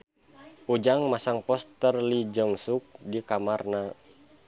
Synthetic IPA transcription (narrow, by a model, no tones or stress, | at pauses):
ud͡ʒaŋmasaŋpɔst̪ərlid͡ʒəŋsuk̚dikamarna